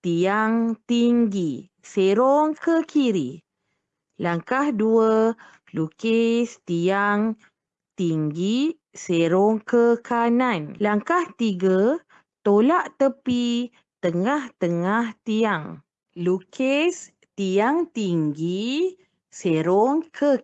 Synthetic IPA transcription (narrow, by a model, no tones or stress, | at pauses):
t̪iaŋt̪iŋɡi | seɾoŋkəkʰiɾi | laŋkahduə | lukest̪iaŋ | t̪iŋɡi | seɾoŋkəkʰananlaŋkaht̪iɡə | t̪olaʔt̪əpi | t̪əŋaht̪əŋaht̪iaŋ | lukes | t̪ijaŋt̪iŋɡi | seɾɔŋkʰə